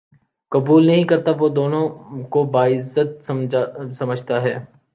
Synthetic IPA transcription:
kɐbuːlnɐɦĩkɐɾt̪aʋod̪oːnõkobaːɪzːət̪̚sɐmsɐməd͡ʒʱt̪aɦɛː

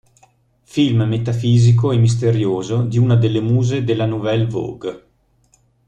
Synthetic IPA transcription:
filmmet̪afiːzik̬oɛmːis̬t̪eɾjoːzod̪iunad̪elːemuːzed̪elːanuvɛlvo̰ɡ

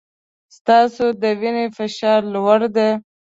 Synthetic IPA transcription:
st̪ɑsod̪əwinefɪʃɑɾlwaɾd̪e

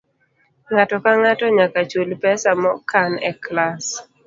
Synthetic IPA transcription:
ŋatɔkaŋatɔɲakat͡ʃolpɛsamɔkʰanɛklas

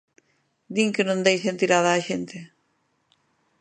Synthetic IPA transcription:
d̪iŋkenõnd̪ejsent̪iɾaðaːʃent̪e

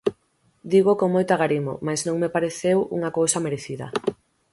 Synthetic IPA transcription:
d̪iɣokoŋmojt̪aɣaɾimo̰majsnõŋmepaɾeθewṵŋɐkowsɐmeɾeθiðɐ̰

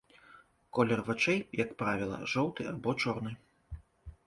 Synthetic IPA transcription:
kɔlʲɛrvat͡ʂɛjjɐkpɾavʲilˠɐ̰ʐɔwt̪ɨabɔt͡ʂɔrnɨ

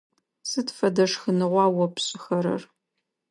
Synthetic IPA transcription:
sɨtfɐdɐʂxɨnɨʁʷɑːwɔpɕʼɪxɐɾɐ̰r

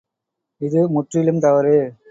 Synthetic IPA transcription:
ɪðɯmʊʈrɪjɪlɯmt̪ɐʋɐɾɯ

